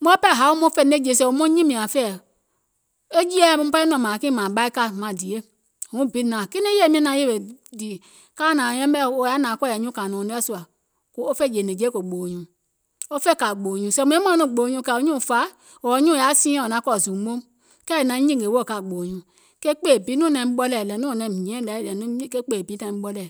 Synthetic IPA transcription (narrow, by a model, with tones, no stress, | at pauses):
mɔ̃˦pɛ˦˨ɦa˨˦o˦mõ˦fɛ˦˧˨ne˦˨d͡ʒe˨sɛ˧˨o˨˦mɔ̃˦ɲĩ˦mĩ˨ã˨fɛ˦˨ | e˦d͡ʒi˦ɛ˦˨mũ˦pa˦i˦nɔ̃˨mã˨kĩ˦mã˨ɓa˦i˦ka˦mã˨di˨e˦˨ | ŋũ˦˨bi˦nã˨ki˦nẽ˦e˦˨˦mĩ˦nã˧˦je˦˨e˨di˨ | kaː˦˨nã˨jɛ̃˦bɛ˦o˨˧˨ja˨˦nãː˨˦kɔ˦˨jɛ˨ɲũ˦ka˨nɔ̃˨nĩ˦ɛ˦˨su˨a˨ | ko˦o˦fe˦˨d͡ʒe˨ne˨d͡ʒe˦ko˨ɡ͡bo˨ɲũ˨ | o˦fɛ˦˨ka˨ɡ͡bo˨ɲũ˨sɛ˨˦˨mu˨˦e˦mã˦nũ˦˨ɡ͡bo˨ɲũ˧˦ka˨o˦ɲũ˦˨fa˨˦ | o˨ɔ˨˦ɲũ˦˨a˨˦sĩ˦˨o˨nã˨˦kɔ˦˨zu˨˦mo˦m | kɛ˦˨nã˨˦ɲĩ˦˨ɡe˨wo˦˨ka˨ɡ͡bo˨ɲũ˨ | ke˦k͡pe˦˨bi˨˦nũ˦nɛ̃˨m˦ɓɔ˦lɛ˨lɛ˨˦nũ˦˨nɛ˨ĩ˨ɛ̃˦˨lɛ˨lɛ˨nu˦ke˦k͡pe˦˨bi˨˦tã˨˦ɓɔ˦lɛ˨